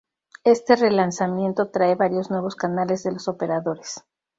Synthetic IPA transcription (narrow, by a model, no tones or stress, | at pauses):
e̞st̪e̞re̞lansamje̞nt̪o̞t̪ɾaeβaɾjo̞znwe̞β̞o̞skanale̞zðe̞lo̞so̞pe̞ɾaðo̞ɾe̞s